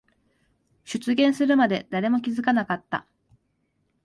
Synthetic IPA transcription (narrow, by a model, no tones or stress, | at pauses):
ɕɨt͡sɨɡẽ̞ɰ̃sɨɾɯ̟mad̪e̞̰d̪̥aɾe̞mo̞kʲizɨkanakat̪ːa̰